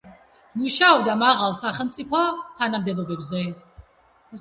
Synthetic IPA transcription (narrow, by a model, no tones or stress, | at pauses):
muʃaɔbd̪amaʁalˠsaχɛlˠmt̪sʼipʰɔt̪ʰanamd̪ɛbɔbɛbzɛ